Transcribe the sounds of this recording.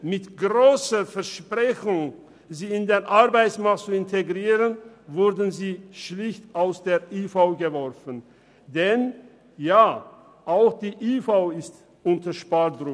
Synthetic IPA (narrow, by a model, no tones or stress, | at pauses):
mɪtɡ̥ʁoːsəfɛɐʃpʁ̥ɛçʊŋ | ziːɪndeːnʔaʁbaɪsmaktt͡suɪntʰeɡʁiːʁənvʊɾdn̩ziːʃlɪçtaʊsd̥eːɐʔiːfaʊɡəvɔɾfən | dɛn | jaː | ʔaʊxd̥iːʔiːfaʊɪst | ʔʊntəʃpatdʁʊ